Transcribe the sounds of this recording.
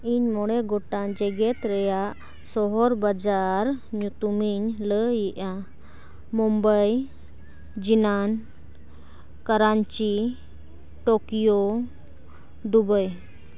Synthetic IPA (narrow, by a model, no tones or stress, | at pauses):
iɲmɔɽɛɡɔʈad͡ʒɛɡɛt̪ɾɛjaʔ | sɔɦɔɾbad͡ʒaɾɲut̪umiɲləjiʔa | mɔmbəj | d͡ʒinan | kaɾaɲt͡ʃi | ʈɔkijɔ | d̪ubəj